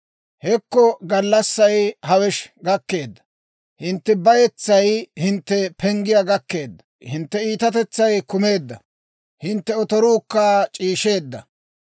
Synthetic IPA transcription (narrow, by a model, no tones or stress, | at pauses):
hɛkːɔɡɐlːɐsːɐjhɐwɛʃɡɐkːe̞ːd̪ːɐ̥ | hɪnt̪ːɛbɐjɛt͡sːɐjhɪnt̪ːɛpʰɛŋɡɪjaɡɐkːe̞ːd̪ːɐ | hɪnt̪ːɛiːt̪ɐt̪ɛt͡sːɐjkʊme̞ːd̪ːɐ̰ | hɪnt̪ːɛɔt̪ɔɾuːkːaːt͡ʃʼiːʃe̞ːd̪ːɐ